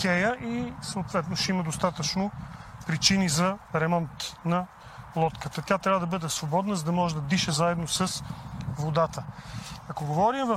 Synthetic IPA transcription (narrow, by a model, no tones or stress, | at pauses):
kʲɛjəʔisəoːt̪vɛt̪noʃɛimɐd̪ost̪at̪ət͡ʃnopɾit͡ʃinizɐɾɛmɔnt̪nɐ | lˠɔt̪kət̪ət̪ʲat̪ɾʲavəd̪ɐbɤd̪ɛsvobɔd̪nəzəd̪ɐmɔʒɛd̪ɐd̪iʃɛzaɛd̪nosɐsvod̪at̪əɐkoɡovɔɾimvɐf